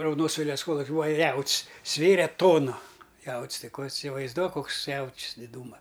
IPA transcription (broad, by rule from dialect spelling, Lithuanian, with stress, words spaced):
rɐʊdoːˈnoːs ˈʋʲeːlʲɛʋɐs ˈkoːlˠʊkʲɪ ˈbuːɐ ˈjɛʊtʲsʲ ˈsʲʋʲeːrʲɛ ˈtoːnʊ ˈjɛʊtʲsʲ ˈtɐɪ ˈkoː ɪsʲɪʋɐɪzˈduɔk ˈkoːks ˈjɛʊtʲsʲ dʲɪˈduːmɐ